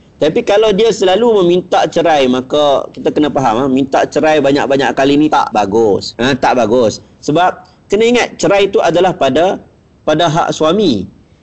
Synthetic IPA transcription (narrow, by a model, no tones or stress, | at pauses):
t̪apikalawdiasəlaluməmint̪aʔt͡ʃəɾajmãkakit̪akənapaɦamamint̪aʔt͡ʃəɾajbaɲa̰k̚baɲaʔkalinit̪a̰ʔbaɡʊsə̃t̪aʔbaɡʊsː | əbap̚ | kənaiŋat̪̚t͡ʃəɾajt̪uʔadalahpada | padaɦa̰ʔsuami